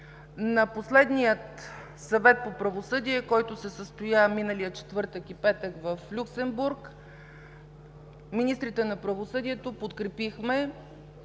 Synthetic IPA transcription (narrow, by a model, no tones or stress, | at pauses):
nɐposlɛd̪nʲijət̪ | sɐvɛt̪̚popɾɐvosɤd̪iɛkɔjt̪ʊsɛsəst̪ojaminəlijət͡ʃɛ̥t̪vɤɾt̪əkipɛt̪əkvəflʲuksɛmbuɾk | minist̪ɾit̪ɛnɐpɾɐvosɤd̪iɛt̪opot̪kɾɛpixmɛ